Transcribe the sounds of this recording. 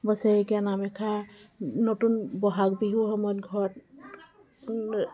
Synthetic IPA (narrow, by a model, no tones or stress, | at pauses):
bɔseeɡianamɛkʰanɔtunbɔɦak̚biɦuhɔmɔjɔtɡʱɔɔt̚